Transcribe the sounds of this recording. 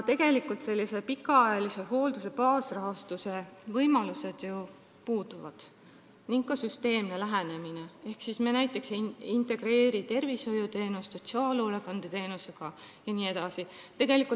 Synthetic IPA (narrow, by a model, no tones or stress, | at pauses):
t̪e̞ɡ̥e̞likult̪se̞lːise̞pikːˑɑɑjɑlise̞ɦo̞ːld̪use̞pɑːsrɑɦɑst̪use̞vɤjmɑluse̞d̪̥ju | puːd̪̥uvɑ̰d̪̥ | niŋɡ̥kːɑsyst̪e̞ːmnelæɦæne̞mine̞e̞hksismenæjt̪ːˑe̞ksint̪e̞ɡ̥ɾe̞ːɾit̪e̞rviso̞jut̪e̞ːnust̪ːso̞t̪siɑːlolekɑnd̪̥et̪e̞ːnuse̞ɡ̥ɑjɑniːe̞d̪ɑsit̪e̞ɡ̥e̞likːˑul